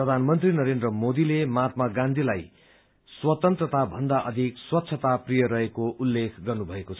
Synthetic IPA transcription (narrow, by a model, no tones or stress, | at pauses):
prʌd̪ʱanmʌnt̪rinʌɾend̪rʌmod̪ilemat̪̚maɡãnd̪ʱilaj | swʌt̪ʌnt̪rʌt̪abʱʌnd̪aʔʌd̪ʱikswʌt̪ːsʰʌt̪aprijʌɾʌɦekoʔulːekʰɡʌrnubʱʌekot͡sʰʌ